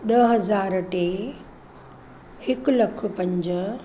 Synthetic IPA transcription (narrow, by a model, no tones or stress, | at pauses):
ɗɐɦɐzaːɾʈe | hɪklɐkʰʊ̆pɐ̃ɲd͡ʑə